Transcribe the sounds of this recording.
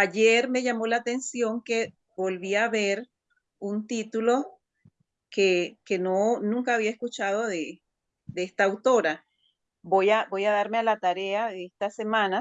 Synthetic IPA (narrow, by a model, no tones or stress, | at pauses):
aʝe̞ɾme̞ʝamo̞laːt̪e̞nsjo̞ŋke̞ | bo̞lβiaβe̞ɾ | unt̪it̪ulo̞ | keke̞nonũŋkaːβiaeskut͡ʃaðo̞ðe | d̪eest̪aːwt̪o̞ɾa | bojabo̞jaðaɾmealat̪aɾe̞aðeest̪ase̞mãna